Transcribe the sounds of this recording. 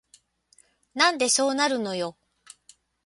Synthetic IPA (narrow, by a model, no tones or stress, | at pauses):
nãnd̪e̞so̞ːnaɾɯ̟no̞jo̞